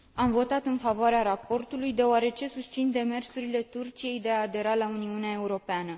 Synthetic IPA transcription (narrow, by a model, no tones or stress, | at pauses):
amvo̞t̪at̪ɨnfavoaɾeaɾapo̞rt̪ulujd̪e̞oaɾe̞t͡ʃe̞sust̪sind̪e̞me̞rsuɾile̞t̪urt͡ʃije̞jd̪e̞aːd̪e̞ɾalauniuneae̞uɾo̞peanə